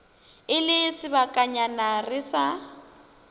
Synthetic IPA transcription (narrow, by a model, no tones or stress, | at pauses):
ɪlɪsɪβakʼaɲanarɪsa